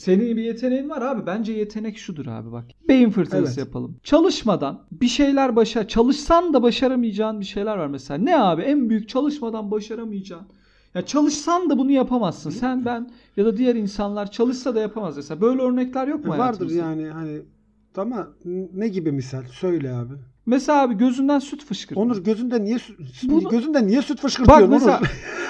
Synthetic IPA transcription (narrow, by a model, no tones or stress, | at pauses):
se̞ninbije̞t̪ʰe̞nejinvaɾaːbibænd͡ʒɛje̞t̪ʰe̞nɛcʃud̪uɾa̰ːbiba̰k | be̞jinfɯɾt̪ʰɯɾasɯjapʰa̰lˠɯmt͡ʃʰalˠɯʃmad̪anbiʃe̞jlʲæɾbaʃat͡ʃʰalˠɯʃsand̪abaʃaɾamɯjd͡ʒaːnbiʃe̞jlʲæɾvaɾmɛselʲaːnɛaːbiænbyjyc̚t͡ʃʰalˠɯʃmad̪anbaʃaɾamɯjd͡ʒaːn | jat͡ʃʰalˠɯʃsand̪abunujapʰamazːɯnsænbæn | jad̪ad̪ijæɾinsanlˠaɾt͡ʃʰalˠɯʃsad̪ajapʰamazmeselʲaːbø̞jlʲɛøɾnɛclʲæɾjo̞k̚mmuavaɾd̪ɯɾjaːnɪhanɪ | t̪ʰamanɛɟibimisalʲsø̞jlʲɛaːbɪ | meselʲaaːbiɟø̞zynd̪ænsyt̪fɯʃkʰɯɾonuɾɟøzynd̪ænːijɛsbuɟøzynd̪ænːijɛsyt̪fɯʃkɯɾbamoa